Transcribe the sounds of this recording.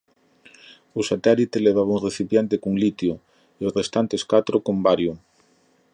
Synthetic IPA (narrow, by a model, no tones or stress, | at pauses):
osat̪ɛlit̪eleβ̞aβauŋreθipjent̪ekuŋlit̪jo | irest̪ant̪eskat̪ɾokombaɾju